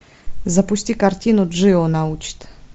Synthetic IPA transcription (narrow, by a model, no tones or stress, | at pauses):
zɐpusʲtʲikartʲinuʐɨonaut͡ʃt̪